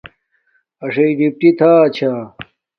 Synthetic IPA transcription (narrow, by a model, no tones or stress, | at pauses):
ɐʂɐiɖip̚ʈit̪ʰaːt͡ɕʰa